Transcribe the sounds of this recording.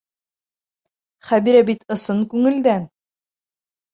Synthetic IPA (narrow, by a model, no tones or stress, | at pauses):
χæbiɾæbit̪ɤ̆sɤnkʉŋɘ̆ld̪æn